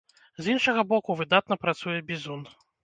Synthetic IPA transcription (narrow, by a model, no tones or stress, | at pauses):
zinʂɐɣɐbɔkuvɨd̪at̪nɐpɾat̪sujɛbʲizun